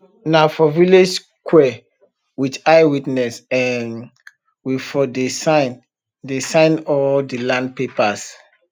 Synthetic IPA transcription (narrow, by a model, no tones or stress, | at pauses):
nafɔviled͡ʒ | kwɛ | wit͡ʃajwitnɛsɛ̃n | wifɔdesaɪn | desãɪ̃nɔldilãnd̚pepas